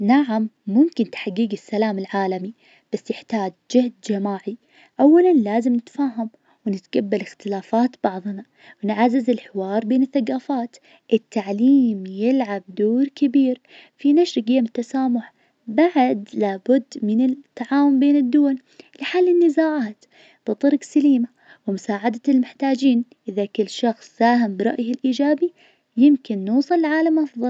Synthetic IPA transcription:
naʕamːʊmkɪnt̪ħaɡːiːɡɪsːalaːmɪlʕaːlami | b̥asːjɪħt̪aːd͡ʒd͡ʒɪhd̪̚d͡ʒamaːʕi | ʔawːalanlaːzɪmnɪt̪faːɦam | wnɪt̪ɡabːalɪxt̪ɪlaːfaːt̪b̥ɑʕðˤna | wɪnʕazːɪzɪlħɪwɑːɾˤbeːnɪθːaɡaːfaːt̪ | ʔɪt̪ːaʕliːmjɪlʕab̚d̪oːɾkɪbiːɾ | finaʃɾɡɪjaːmɪt̪ːasaːmʊħ | baʕd̪laːbʊd̪ːmɪnɪt̪ːaʕaːwʊmbeːnɪd̪ːʊwal | lɪħalːɪnːɪzaːʕaːt̪ | b̥ɨt̪ˤɨɾˤqsaliːma | wɪmʊsaːʕad̪almɪħt̪aːd͡ʒiːnʔɪðakɪlːʃɑxsˤːaːɦɪmbɪɾˤɑ̰ʔjɪlʔiːd͡ʒaːbi | jɪmkɪnːuːsˤɨlːʕaːlamʔɑfðˤɑl

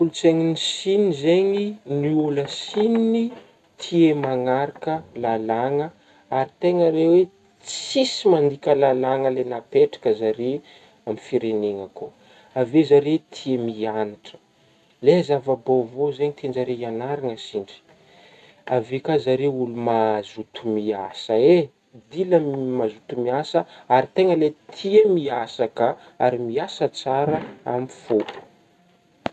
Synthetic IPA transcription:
ulut͡seŋinisinizeɲiniuləsinini | t̪ʰiemaŋaɾakəlalaŋə | aɾit̪eŋaɾewe | t͡sisimand̪ikʲəlalaŋəlenapeʈ͡ʂḁkəzaɾe | amifiɾeneŋako | avezaɾet̪ʰiemianaʈ͡ʂə̥ | lezavabovozeɲit̪ʰend͡ʒaɾeianaɾaŋəsiɳɖ͡ʐi̥ | avekazaɾeulumazut̪umiasəe | d̪iləmazut̪umiasəaɾit̪eŋəlet̪ʰiəmiasakə | aɾimiasət͡saɾəa̰mifou̥

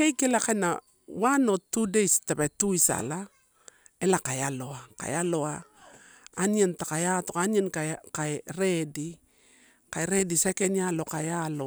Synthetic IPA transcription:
kejkelakana̰ | wanotːudejstebetuisa̰la | elakajaloaka̰jaloa | anentakajatokanenkakaeɾedi | kajɾedisekenialokajalo

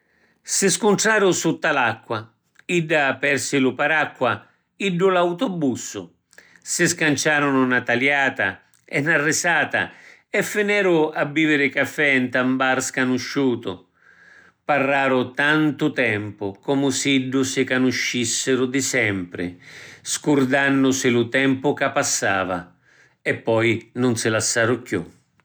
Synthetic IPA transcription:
sɪskʊnʈ̪ɾaːɾʊsut̪ːalakːwa | iɖːapɛɾsɪlʊpaɾakːwa | iɖːʊlawt̪ɔbːusːʊ̰ | sɪskant͡ʃaːɾʊnʊnat̪aljaːt̪a̰ | ɛnːarːɪsaːt̪a̰ɛfːɪnɛːɾʊabːiːvɪɾɪkafːɛnt̪ambaɾskanuʃːuːt̪ʊ̰ | parːaːɾʊt̪ant̪ʊt̪ɛmpʊkɔmʊsiɖːʊsɪkanuʃːisːɪɾʊd̪ɪsɛmpɾɪ̰skʊrd̪anːʊsɪlʊt̪ɛmpʊkapːasːaːva̰ | ɛpːɔjnʊnsɪlasːaːɾʊkjṵ

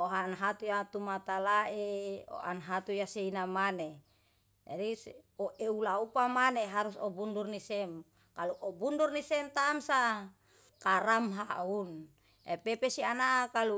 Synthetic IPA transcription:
oɦanɦat̪ujat̪umat̪alaʔeo̰ʔa̰nɦat̪ujaseinamane | d͡ʒadioʔeulaupamaneɦaɾusɔbundurnisɛm | kaluʔobundurnisɛmt̪amsa | kaɾamɦaun | ḛpepesianakalu

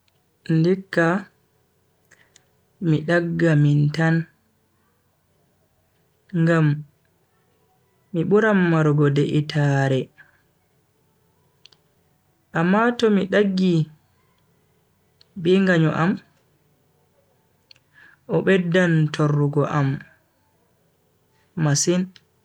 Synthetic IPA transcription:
ndikːa | miɗaɡːamintan | ŋɡam | iɓuɾamːaɾɡɔdɛʔitʰaɾɛ | ʔamːatɔmiɗaɡːi | ɓɛŋɡaɲɔ̰ʔam | ʔɔɓɛdːantʰɔrːuɡɔʔam | masin

